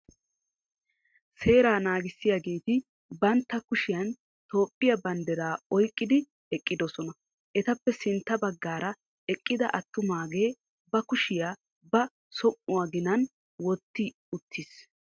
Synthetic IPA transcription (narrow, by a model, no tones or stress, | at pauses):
se̞ːɾaːnaːɡɪsːɪjaɡe̞ːt̪ɪ | bɐnt̪ːɐkʊʃɪjɐn | t̪o̞ːpʼːɪjɐbɐnd̪ɛɾaːɔjkʼːɪd̪ɪ | ɛkʼːɪd̪ɔsɔnɐ | ʔɛt̪ɐpːɛsɪnt̪ːɐbɐɡːaːɾɐ | ɛkʼːɪd̪ɐʔɐt̪ːʊmaːɡe̞ː | bɐkʊʃɪjaː | bɐ | sɔmːʊwaːɡɪnɐn | wɔt̪ːɪ | ʊt̪ʰːɪs